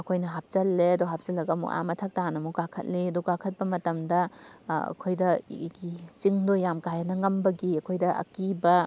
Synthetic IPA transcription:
ɐkʰojnɐɦap̚t͡ʃɐlːeɐduɦap̚t͡ʃɐlːɐɡɐmṵʔa̰mɐtʰɐk̚tanɐmuɡakʰɐ̰t̚liɐduɡakʰɐt̚bɐmɐtɐmdɐɐ̰kʰojdɐɡit͡ʃiŋdojamkajɐnɐŋɐmbɐɡiɐkʰojdɐʔɐ̰kibɐ

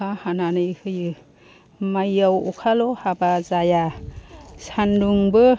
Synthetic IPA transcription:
ahananɯjhɯjɯ | majawɔkʰalɔhabazaja | sanduŋbɯ

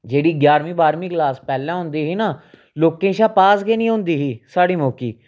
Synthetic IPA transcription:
d͡ʒeːɽiːɡjaːɾmĩːbaːɾmiːklaːspɛːlãːɦʊ̃nd̪iːɦiːnaː | loːkẽːʃãːpaːsɡeːnĩːɦʊ̃nd̪iːɦiːsaːɽiːmoːkiː

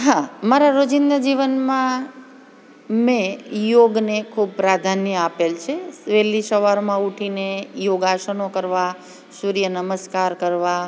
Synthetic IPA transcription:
ɦamaɾaɾod͡ʒɪnd̪əd͡ʒiʋənmã | mẽjoɡnekʰub̚pɾad̪ʱanjəapelt͡ʃʰeʋelisəʋaɾmãuʈʰinejoɡaʃənokəɾʋa | suɾijənəməskaɾkəɾʋa

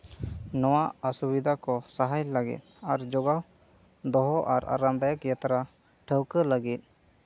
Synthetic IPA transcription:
nɔwaəsubid̪ʱakɔsaɦajlaɡḭt̪̚aɾd͡ʒɔɡaw | d̪ɔɦɔʔaɾa̰ɾamd̪ajakijat̪aɾa | ʈʰəwkələɡit̪̚

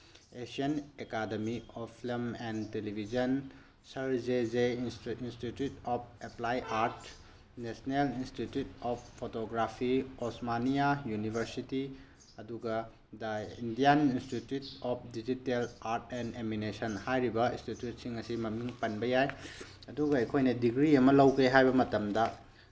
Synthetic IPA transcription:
esiɐnekademiɔpʰilimɛntelibʱizɐn | sɐɾzezeinstitjutɔp̚ʰeplajʔaɾt | nesnelinstitjutɔp̚ʰpʰotoɡɾapʰiɔsmanijajunibʱɐɾsiti | ɐduɡɐ | dɐindijaninstitjutɔp̚ʰdid͡ʒitelaɾtɛneminesɐnhajɾibɐinstitjut̚siŋɐsimɐmiŋpɐnbɐjaj | ɐduɡɐɐjkʰojnɐdiɡɾiɐmɐlɐwkʰɾeɦajbɐmɐtɐmdɐ

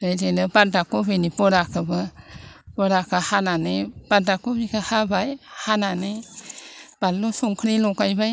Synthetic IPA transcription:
ɾajdenɯbadakobinibɔɾakʰɯbɯ | pɔɾakʰahananeb̥adakobikʰahabajhanane | b̥alːosuŋkʰɾilɔkajbaj

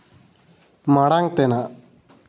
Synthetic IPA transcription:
maɽaŋ̚t̪ena

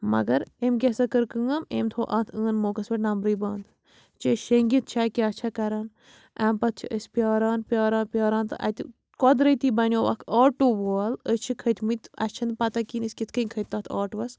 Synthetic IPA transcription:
mɐ̰ɡɐɾemkʲesɐkəɾkɨŋɐmeːmt̪ʰoːʔã̰ːt̪ʰəːnmoːkɐsʋɐʈnɐmɾɨːbaːnd̪ | t͡ʃeʃeŋɡit̪̚t͡ʃʰaːkʲiɐt͡ʃʰɐkɐɾaːn | ʔaːmpɐt̪̚t͡ʃʰḭʔəsʲpʲjaːɾaːnpʲjaːɾaːnpjaːɾãːnt̪ɨʔɐ̰t̪ḭ | kɔd̪ɾət̪iːbɐnʲoːʋɐ̰kʰaːʈːuːʋoːɐlət͡ʃʰikʰət̪ʰmɨt̪ɐ̰st͡ʃʰɐnd̪̚pɐt̪ɐkinɨsʲkʲit̪ʰkʰənʲkʰɐt̪ːaːt̪ʰa̰ːʈʋɐs

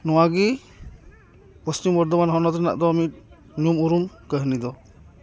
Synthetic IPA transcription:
nɔwaɡi | pɔst͡ʃimbɔɾd̪ɔbanɦɔnɔt̪ɾɛna̰ʔd̪ɔːmit̪̚ | numuɾumkəɦnid̪ɔ

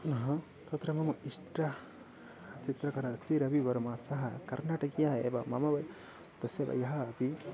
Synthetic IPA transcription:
nɐɦɐ | t̪ɐt̪ɾɐmɐmɐisʈɐ | t͡ʃit̪ɾɐkɐɾɐst̪ʰiɾɐbibɐɾumasɐɦɐkɐɾnaːʈɐkijaɦɐḛbɐmɐ̰mɐbɐj | t̪ɐsjɐbɐ̰jɐɦɐːpi

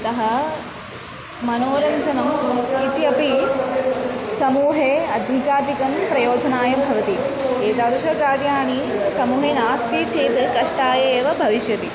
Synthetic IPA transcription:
t̪ɐɦɐ | mɐnoːɾɐnsɐnɐmit̪jɐpi | sɐmuːɦeːɐd̪ʱikaːt̪ikɐmpɾɐjoːd͡ʒɐnaːjɐbʱɐʋɐt̪i | eːt̪aːd̪ɐʃɐkaːɾjaːɳi | sɐmuːɦeːnaːst̪it͡ʃeːt̪kɐʂʈaːjeːʋɐbʱɐʋiʃjɐt̪i

